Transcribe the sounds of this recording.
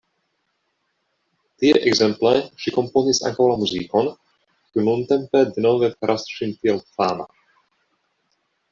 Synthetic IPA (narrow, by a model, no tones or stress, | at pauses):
t̪iɛ̰ʔɛɡzɛmplɛʃiko̞mponisa̰ŋkawlamuzikon | kiununt̪ɛmpɛd̪enovɛpɛɾʔasʃint̪iɛlfaːma̰